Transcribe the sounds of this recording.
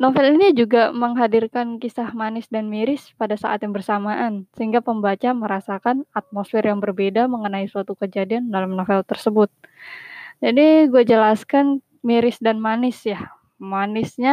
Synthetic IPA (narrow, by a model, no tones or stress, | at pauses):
nofɛlinid͡ʒuɡaməŋɦadirkankisahmanɪsdanmiɾɪspadasa̰ʔa̰t̪jaŋbərsamaʔansəɦiŋɡapəmbat͡ʃaməɾasakanat̪̚mosfɪrjaŋbərbedaməŋənaisuat̪ukəd͡ʒadiandalamnofɛlt̪ərsəbʊt̪̚ | d͡ʒadiɡuad͡ʒəlaskan | miɾɪsdanmanɪsjah | manɪsɲa